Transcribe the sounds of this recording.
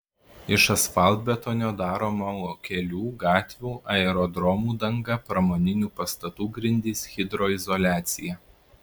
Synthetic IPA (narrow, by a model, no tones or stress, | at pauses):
ɪʃɐsfɐlˠd̪̚ʲbʲɛt̪oːnʲoːd̪ɑːɾoːmɐɔkʲɛlʲuːɡɑːt̪ʲʋʲuːʔɐɛɾɔd̪ɾɔmuːd̪ɐŋɡɐpɾɐmoːnʲɪnʲuːpɐst̪ɐt̪uːɡɾʲɪnʲd̪ʲiːsxʲɪd̪ɾoːɪzɔlʲæːt̪sʲɪjɛ